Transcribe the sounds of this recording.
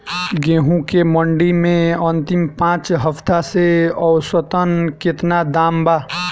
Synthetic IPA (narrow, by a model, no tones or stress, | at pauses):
ɡẽɦũkeməɳɖimẽənt̪impãt͡ʃɦəpʰt̪aseəwswət̪ənket̪nad̪amba